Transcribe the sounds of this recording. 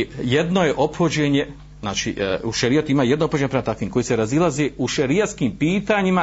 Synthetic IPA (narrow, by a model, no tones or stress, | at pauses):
jed̪no̞je̞ʔo̞pxod͡ʑeɲe̞ | zna̰ːt͡ʃḭuʃeɾijot̪uimaːjed̪noophod͡ʑeɲepɾemat̪akʋiːmko̞jiseɾazilazeːuʃeɾijaskiːmpiːt̪aɲima